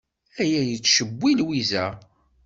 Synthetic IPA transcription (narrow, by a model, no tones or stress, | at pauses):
æjæjət͡sːʃəbʷːilwizæ